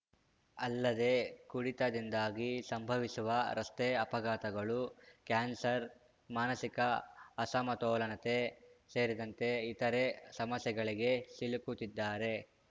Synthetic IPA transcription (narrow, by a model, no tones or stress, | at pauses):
ɐlːɐd̪e̞kuɽit̪ɐd̪ind̪aːɡisɐmbʱɐʋisuʋɐɾɐst̪eɐpɐɡaːt̪ɐɡɐɭukaːnsɐɾ | maːnɐsikɐɐsɐmɐt̪ɔːlɐnɐt̪e̞se̞ːɾid̪ɐnt̪e̞it̪ɐɾesɐmɐsjɛɡɐɭiɡe̞silukut̪id̪ːaːɾe̞